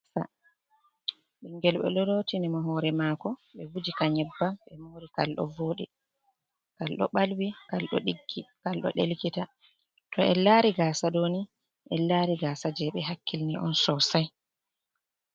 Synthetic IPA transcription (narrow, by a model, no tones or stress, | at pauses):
a̰ | ɓiŋɡɛlɓɛ̰ɗɔɾotinimaɦɔɾɛmakɔɓɛvud͡ʒikaɲɛbːaɓɛmoɾikalɗɔ̰voːɗḭ | kalɗɔ̰ɓalwikalɗɔ̰ɗiɡːikalɗɔ̰ɗelkita | tɔɛlaɾiɡaːsaɗoni | ʔɛlaɾiɡaːsad͡ʒɛɓɛɦakʰːilniʔɔ̰nsɔsaj